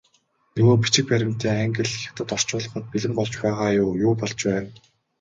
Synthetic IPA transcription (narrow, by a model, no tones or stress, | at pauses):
nɵɣoːp̬i̥t͡ɕɪ̆k̚pæɾʲɪ̆m̥t̪eːŋæŋɡʲɪ̆ɮxʲaw̥t̪ə̆t̪ɔr̥t͡ɕʊːɮɞ̆χɞ̆t̪̚piɮɘ̆mpɔɮt͡ɕpæːʁaːjʊːjʊːpɔɮt͡ɕpæːn